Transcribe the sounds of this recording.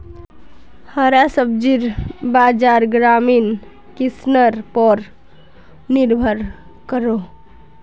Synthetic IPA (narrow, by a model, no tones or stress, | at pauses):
həɾasəb̚d͡ʒiɾbad͡ʒaɾɡɾamin | kisnəɾpɔɾ | niɾbʱəɾ | kəɾo